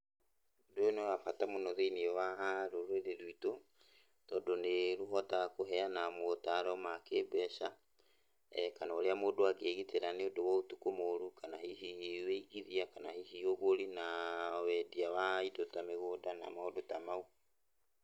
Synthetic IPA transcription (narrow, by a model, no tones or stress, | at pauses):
odojonewafatamonɔðeiniɔwaɾoɾweɾeɾwito | tɔːdɔneɾuɦɔtakoɦɛanamotaɾɛɔmakeːbwɛʃa | ɛkanaoɾeamodoakeːɣiteɾaneodowɔotukomoɾukanaɦiɦiweiɣiðiakanahihioɣoɾinawɛdiawaidotameɣodana̰maodotamau